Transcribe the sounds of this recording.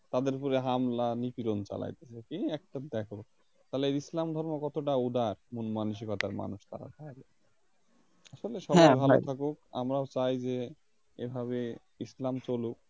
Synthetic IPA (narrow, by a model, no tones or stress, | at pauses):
t̪ad̪eɾpuɾeɦamlanipiɾont͡ɕa̰la̰jt̪et͡ɕʰekeɛk̚ʈad̪ɛkʰoo | t̪aleeɾislamd̪ʱɔɾmokɔt̪oʈaud̪aɾmunmanuʃ̬ikɔt̪aɾma̰nuʃt̪a̰ɾa̰t̪abe | aʃoleʃɔbajbʱalot̪ʰakoka̰mɾaot͡ɕajd͡ʑe | ḛbʱaβe | islamt͡ɕoluk̚